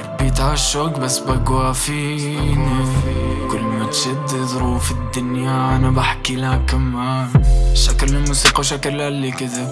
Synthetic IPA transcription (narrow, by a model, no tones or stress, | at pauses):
bjɪt̪ʕaʃːakbasːbaɡwafi | nikʊlːmmat̪ʃad̪ðˤɾuːfɪd̪ːʊnjanabaħkilakamanʃaklɪlmuːsiːqawʃakllalːikɪzɪb